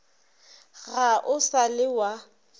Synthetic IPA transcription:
ɣaʔʊsalɪwa

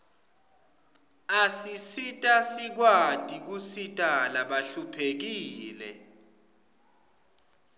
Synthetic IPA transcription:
asisitʼasik̬watʼik̬usitʼalaɓaɬupʰek̬iːlɛ

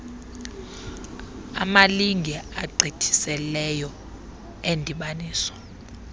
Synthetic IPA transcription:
a̰maliŋɡʱɛaɡ͡ǀʱitʰi̥sɛlɛjɔ | endʱiɓaniːsɔ̥

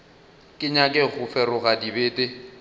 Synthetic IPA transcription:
kʼɪɲakʼɛɣʊfɛrʊɣadibeːtʼe

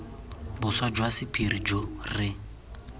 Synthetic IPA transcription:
bʊswad͡ʒwasɪpʰiɾid͡ʒorɪ

